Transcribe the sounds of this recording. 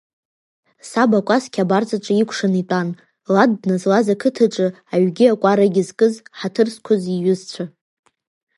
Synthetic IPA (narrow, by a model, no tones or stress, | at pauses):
sabakʷʼaskʲʰʼabart͡sʼaʈ͡ʂʷʼaikʷʰʂanitʼan | ladnɨzlazakʰɨtʰaʈ͡ʂʼɨ | aɥɡʲɪakʷʼaɾaɡʲɪzkʼɨzħatʰɨrskʷʰʊziɥʊzt͡ɕʷʰa